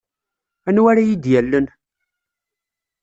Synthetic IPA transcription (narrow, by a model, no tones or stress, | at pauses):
ænwæɾajid̪jælːən